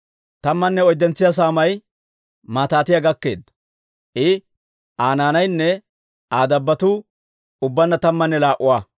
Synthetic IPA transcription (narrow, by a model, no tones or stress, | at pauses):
t̪ɐmːɐnːɛɔjd̪ːɛnt͡sːɪjas̬aːmɐj | maːt̪aːt̪ɪjɐɡɐkːe̞̰ːd̪ːɐ | ʔɪ | ʔaːnaːnɐjnːɛ | aːd̪ɐbːɐt̪u | ʊbːɐnːɐt̪ɐmːɐnːɛlaːʔʊwaː